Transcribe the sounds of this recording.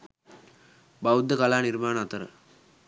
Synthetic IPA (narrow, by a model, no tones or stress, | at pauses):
bɐud̪ːɐkɐlaːniɾmaːnɐːt̪ɐɾə̰